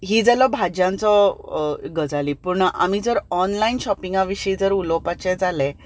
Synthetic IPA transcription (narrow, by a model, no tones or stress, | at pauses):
ɦiːd͡zəlɔbʱad͡ʑãnt͡sɔ | ɡəd͡zaliːpuɾɳaʔa̰mid͡zəɾɔnlainɕɔpiŋɡaʋiɕid͡zəɾulɔpat͡ɕɛd͡zalɛ̃